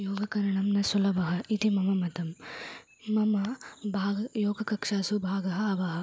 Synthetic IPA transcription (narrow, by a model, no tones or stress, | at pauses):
joːɡɐkɐɾɐɳɐmnɐsɐlɐbʱɐɦɐit̪imɐmɐmɐt̪ɐmː | ɐmɐbʱaːɡɐjoːɡɐkɐkʂaːsubʱaːɡɐɦɐɐʋɐɦɐ̆